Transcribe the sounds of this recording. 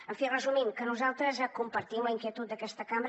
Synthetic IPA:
əɱfirəzumimkənuzalˠt̪ɾəzəkumpəɾt̪imləiŋkiət̪ut̪̚d̪əkɛst̪əkambɾ

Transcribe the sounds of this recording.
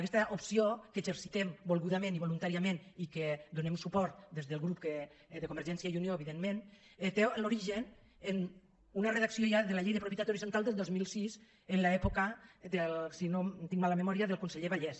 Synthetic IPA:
ɐkɛst̪aʔopsiokəezəɾsit̪embolɣuðamẽniβolunt̪aɾiameniked̪unemsupɔɾt̪d̪ezðəlˠɣɾup̚ked̪əkombeɾʒɛnsjaiunioeβiðenmen | t̪eloɾiʒən | en | unareðaksiojaðelaʎejðəpɾopjət̪at̪oɾizont̪alˠd̪elˠd̪ozmilˠsis | ənlaɛpokəd̪əlsinot̪iŋmalamemɔɾiəðəlˠkunseʎeβaʎɛs

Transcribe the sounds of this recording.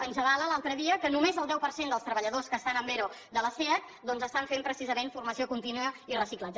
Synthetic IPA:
ənʲʒəβaləlalˠt̪ɾəðiəkənumezəlˠd̪ɛwpəɾsend̪əlˠst̪ɾəβəʎəðoskəst̪anəmbeɾu | d̪ələsɛt̪̚d̪ɔnzəst̪aɱfempɾəsizəmenfurməsiokunt̪inuəirəsiklad͡ʒə

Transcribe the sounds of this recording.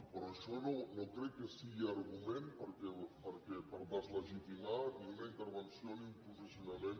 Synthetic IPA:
poɾeʃononokɾekːesiɣaɾɣumenpoɾkepoɾkepaɾðazleʝit̪imaniunaint̪eɾβensjonimpusisjonamen

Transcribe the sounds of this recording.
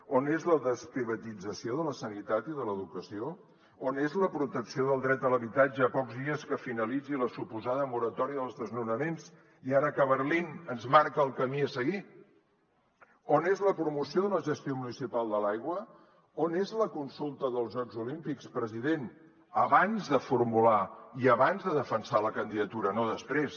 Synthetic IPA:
onezləðəspɾiβət̪id͡zəsioðələsənit̪at̪iðələðukəsio | onezləpɾut̪əksioðəlˠd̪ɾɛt̪ələβit̪ad͡ʒəːpɔɡzðiəskəfinəlid͡ziləsupuzaðəmuɾət̪ɔɾiəðəlˠzðəznunəmens | iaɾəkəβəɾlinənzmaɾkəːlˠkəmiəsəɣi | onezləpɾumusioðuləʒəst̪jomunisipalˠd̪əlajɣwə | onezləkunsulˠt̪əðəlˠzʒɔɡzulimpikspɾəziðen | əβanzðəfurmulaiəβanzðəðəfənsaləkənd̪iðət̪uɾənoðəspɾes

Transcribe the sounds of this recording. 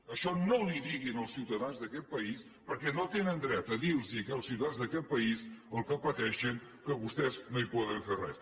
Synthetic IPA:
əʃɔnõliðiɣinəlˠsiwt̪əðanzðəkɛt̪̚pəis | pəɾkɛnot̪enənd̪ɾɛt̪əðilˠzikɛlˠsiuwt̪əðanzðəkɛt̪̚pəisəlˠkəpət̪ɛʃəŋ | kəβust̪ɛznoipɔðəɱferɛ̰s

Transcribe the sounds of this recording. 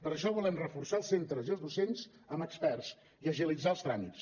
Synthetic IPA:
pəɾəʃɔβulɛmrəfursaəlˠsent̪ɾəziəlˠzðusens | əməkspɛrz | iəʒəlid͡zaəlˠst̪ɾamits

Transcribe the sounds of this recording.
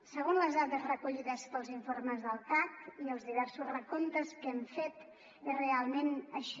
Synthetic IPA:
səɣ̞onləzðat̪əzrəkuʎiðəspəlˠziɱforməzðəlˠkakkiəlˠzðiβ̞ɛɾsuzrəkont̪əskɛmfet̪ | erealˠmenəʃ

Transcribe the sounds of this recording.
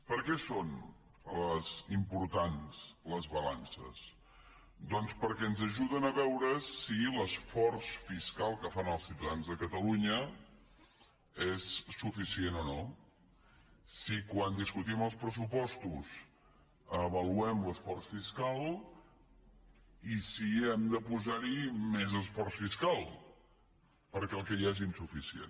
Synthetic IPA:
pəɾkɛson | ləzimpuɾt̪ansləzβəlansə̰s | d̪ɔnspəɾkɛənzəʒuðənəβɛwɾəsiləsfɔɾsfiskalˠkəfanəlˠsit̪əðanzðəkət̪əluɲə | esːufisienono | sikwand̪iskut̪iməlˠspɾəsupɔst̪us | əβəluɛmləsfɔrsfiskalˠ | isiɛmd̪əpuzaɾimezəsfɔrsfiskalˠ | pəɾkɛəlˠkɛjaʒinsufisiḛn

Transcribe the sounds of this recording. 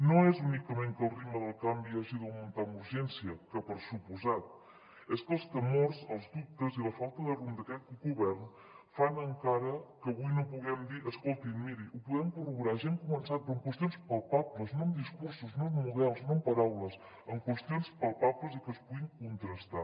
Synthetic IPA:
noɛzunikəmeŋkəlˠriɡməðəlˠkambiaʒiðuwmunt̪amuɾʒɛnsiəkəpəɾsupuzat̪̚ | ɛskəlˠst̪əmoɾzəlˠzd̪up̚t̪əziləfalˠt̪əðərumd̪əkɛt̪ɡuβɛɾn | fanəŋkaɾəkəβujnopuɣɛmd̪iʔəskolˠt̪inmiɾiʔupuðɛmkuruβuɾaʒɛmkumənsat̪̚pɾoəŋkwəst̪ijonspəlˠpapləznoəmd̪iskuɾsuznoəmmuðɛlˠznoəmpəɾawləz | əŋkwəst̪jonspəlˠpapəzəkəspuɣiŋkunt̪ɾəst̪a

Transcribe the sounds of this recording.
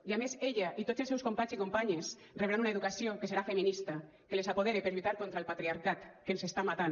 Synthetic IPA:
iamezeʎaʔit̪ozelˠsewskompaɲzikompaɲes | reβɾanuneðukasiokes̬eɾafeminist̪a | kelesapoð̞eɾepeɾʎut̪aɾkont̪ɾaelpat̪ɾiaɾkat̪kelsest̪amat̪an

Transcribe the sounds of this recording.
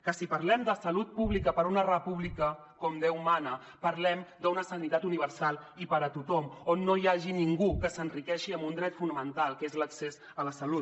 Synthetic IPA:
kəsipəɾlɛmd̪əsəlut̪̚puβlikəpəɾunərəpuβlikə | kɔmd̪ɛwmanə | pəɾlɛmd̪unəsənit̪at̪uniβ̞əɾsalˠipəɾət̪ut̪ɔmonːojaʒiniŋɡukəsənrikɛʃiəmbund̪ɾɛt̪funəmənt̪alˠkezləksez | ələsəlut̪

